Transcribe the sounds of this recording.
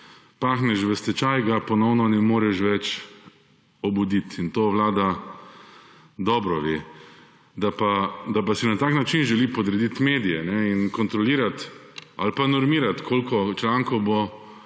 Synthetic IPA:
paːxnɛʃʋəst̪ɛt͡ʃajɡapɔnɔwnɔnɛmoːɾɛʃʋɛt͡ʃ | ɔbud̪it̪int̪oːʋlaːd̪a | d̪ɔːbɾɔʋeː | d̪apad̪apasinat̪aːknat͡ʃinʒɛlipɔd̪ɾɛd̪it̪meːd̪ijɛnɛinkɔnt̪ɾɔliːɾat̪a̰lpanɔɾmiːɾat̪kʰoːlkɔt͡ʃlaŋkɔwbo

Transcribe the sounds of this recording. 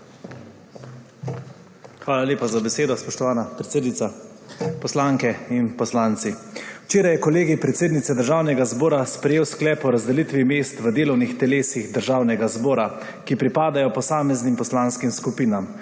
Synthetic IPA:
xʋaːlaljeːpazabɛseːd̪ɔspɔʃt̪ɔʋaːnapɾɛt̪seːd̪nit̪sa | pɔslaŋkɛinpɔslaːnt̪siwt͡ʃeːɾajɛkɔleːɡipɾɛt̪seːd̪nit̪sɛd̪əɾʒaːwnɛɡazboːɾaspɾɛjeːwsklɛːpɔɾazd̪ɛlit̪ʋimeːst̪ʋəd̪eːlɔwnixt̪ɛleːsiɣd̪əɾʒawnɛɡazbɔːɾa | kipɾipaːd̪ajɔpɔsaːmɛznimpɔslaːnskimskupiːnam

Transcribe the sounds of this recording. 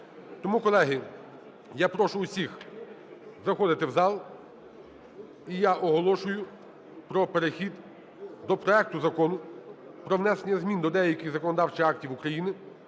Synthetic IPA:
t̪ɔmukɔlˠɛɦɪ | japɾɔʃʊʊsʲix | zɐxɔd̪ɪt̪ɪwzɑlˠ | ijaʔɔɦɔlˠɔʃʊjʊ | pɾɔpeɾexʲid̪ | d̪ɔpɾɔɛk̚t̪ʊzɐkɔnʊpɾɔwnɛsenʲːɐzmʲind̪ɔd̪ɛjɐkʲɪzɐkɔnɔd̪ɑwt͡ʃɪɑktʲiwʊkɾɐjinɪ

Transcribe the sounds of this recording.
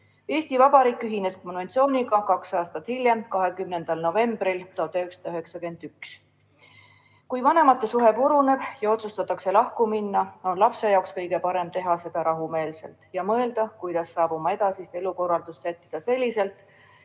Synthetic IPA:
e̞ːsʲt̪ivɑb̥ɑɾiːkːˑyɦine̞sko̞nve̞nt̪sio̞ːniɡɑkɑksɑːst̪ɑt̪hilʲje̞mkɑɦe̞kymne̞nd̪̥ɑlno̞ve̞mb̥ɾilt̪ohɑt̪ːyksɑ̥d̪̥ɑyɦe̞ksɑkyend̪̥yks | kujvɑne̞mɑt̪ːˑesuɦe̞puɾune̞b̥jɑo̞t̪sust̪ɑt̪ːˑɑkse̞lɑhkuminːɑo̞nlɑpse̞jɑokskɤ̞jɡ̥e̞pɑɾe̞mt̪e̞ɦɑse̞d̪̥ɑɾɑɦume̞ːlse̞̰lt̪jɑmɤe̞ld̪̥ɑkujd̪̥ɑsːɑːb̥umɑe̞d̪̥ɑsist̪e̞luko̞rːɑld̪̥ussæt̪ːid̪̥ɑse̞lʲːise̞lt̪ːˑ

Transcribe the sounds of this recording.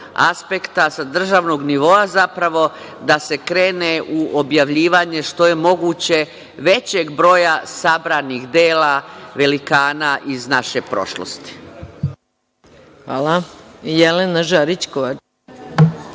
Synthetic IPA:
a̰spe̞kt̪asad̪r̩ʒaːʋno̞ɡniʋo̞azapɾaʋo̞ | d̪ase̞kɾe̞ːneʔuʔobjaʋʎiːʋaɲe̞ʃt̪o̞je̞mo̞ɡuːt͡ɕe̞ | ʋe̞t͡ɕe̞ɡbɾo̞ːjasabɾanixd̪eːlaʋe̞likaːnaʔiznaʃe̞pɾo̞̰ʃlo̰st̪i̥ | xʋaːlajelenaʒaɾit͡ʃkoʋat͡ʃ

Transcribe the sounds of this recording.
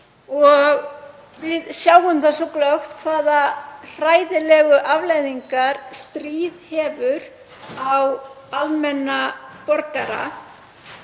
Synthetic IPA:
ɔɣ | vɪðsjaːwʏmθɛsɔklœxt̪θaːðar̥aːjðɪlɛɣʏʔavlajðiŋkaɾ̥st̪ɾiːðhɛːvʏɾ | aw | almɛnːapɔɾkaɾa̰

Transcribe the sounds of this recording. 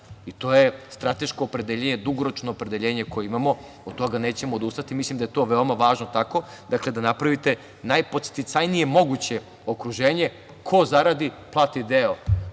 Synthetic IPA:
it̪o̞ːjest̪ɾat̪e̞ʃko̞ːpɾe̞d̪eʎeɲed̪uɡoɾot͡ʃnoːpɾe̞d̪e̞ʎe̞ːɲe̞ko̞jeimamo̞ | od̪̚t̪o̞ɡane̞ːt͡ɕe̞moːd̪ust̪at̪imislimd̪ajet̪o̞ːʋeomaʋaːʒnot̪ako | d̪akle̞d̪anapɾaʋit̪e̞ | najpo̞t̪st̪it̪sajnije̞mo̞ɡut͡ɕe̞ | okɾuʒe̞ːɲe̞ | kʰo̞zaɾad̪i | plˠat̪id̪eo

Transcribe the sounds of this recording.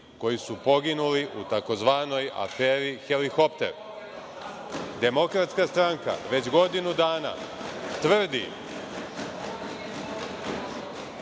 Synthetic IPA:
ko̞jisupo̞ɡinuliʔut̪ako̞zʋaːno̞ja̰fe̞ːɾixe̞lixo̞pt̪e̞̰ɾ | d̪e̞mo̞kɾat̪skast̪ɾaŋka̰ʋe̞t͡ɕɡo̞d̪inud̪aːna̰t̪ʋr̩d̪ḭ

